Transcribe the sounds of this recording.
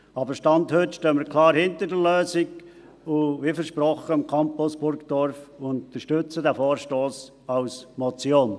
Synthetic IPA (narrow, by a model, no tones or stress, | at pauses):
ɑbəɾʃtɑnthøtʃtøːməɾkʰlɑːɾhɪntədəløːsɪɡ | ʊvifəɾʃprɔχəɪmkʰɑmpʊsb̥ʊɾkd̥ɔɾfʊnt̪əʃtʏt͡sədɛfoːɾʃtoːs | ɑʊsmɔt͡sjoːn